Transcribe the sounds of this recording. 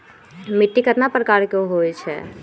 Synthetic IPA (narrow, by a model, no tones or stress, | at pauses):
mɪʈːikət̪napɾəkaːɾkoɦoːit͡ʃʰɛ̰ː